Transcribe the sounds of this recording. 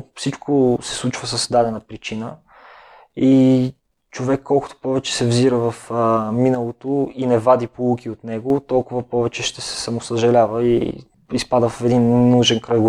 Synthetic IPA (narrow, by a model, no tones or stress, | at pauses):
fsit͡ʃkʰosɛ̥slˠut͡ʃvəsəsd̪ad̪ɛnɐpɾit͡ʃinə | i | t͡ʃovɛkːɔlˠkʊ̥t̪o̥pɔvɛt͡ʃɛ̥sɛvziɾəvəfminəlˠot̪oinɛvad̪ipolˠukiot̪nɛɡot̪ɔlˠkʊvɐpɔvɛt͡ʃɛʃt̪ɛsɛ̥sɐmosəʒɐlʲavəḭ | ispad̪əffɛd̪innːuʒɛnkɾɐɡ